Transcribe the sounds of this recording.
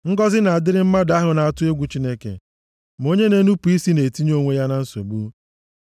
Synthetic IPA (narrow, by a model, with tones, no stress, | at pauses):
ŋ̩˦ɡɔ˦zɪ˦na˨a˨dɪ˦ɾɪ˦m̩˦ma˦da˦ɦʊ˨na˨a˨tʊ˦e˦ɡʷu˨t͡ʃi˦ne˦kḛ˨ | mo˦ɲe˦ne˦nu˦pu˨i˦si˦ne˨ti˦ɲ˦o˦ŋʷe˦ja˦na˦n̩˦so̰˨bu˦